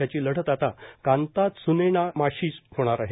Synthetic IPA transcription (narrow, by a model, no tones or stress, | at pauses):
at͡ɕiːləɽ̤ət̪at̪akãnt̪at̪sunenamaɕiːshoɽ̃aɾaɦe